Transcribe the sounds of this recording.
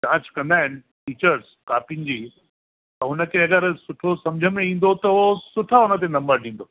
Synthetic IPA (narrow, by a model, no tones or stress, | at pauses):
d͡ʑãːt͡ɕkɐ̃nd̪aːɦɪnɪ̆ | ʈiːt͡ɕəɾz | kaːpinɪ̆d͡ʑiː | t̪ɐɦʊnə̆kʰeɐɡəɾsʊʈʰosɐ̃md͡ʑʱəmẽĩːnd̪ot̪ɐsʊʈʰaɦʊnət̪̬enɐ̃mbəɾɗĩːn̆d̪o